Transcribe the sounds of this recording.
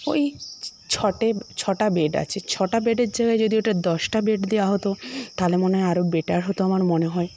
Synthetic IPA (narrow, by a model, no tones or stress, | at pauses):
o̰j | t͡ɕʰɔʈet͡ɕʰɔʈabeɖa̰t͡ɕʰet͡ɕʰɔʈabeɖeɾd͡ʑaɡaed͡ʑod̪ioʈad̪ɔʃʈabeʈd̪ewaɦot̪ot̪alemoneaɾobeʈaɾɦot̪oamaɾmoneɦɔe